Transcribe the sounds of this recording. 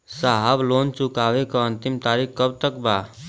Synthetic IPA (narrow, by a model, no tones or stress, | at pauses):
saɦəbloːnt͡ʃʊkaːʋekaə̃nt̪ɪmt̪aːɾikkəb̚t̪əkbaː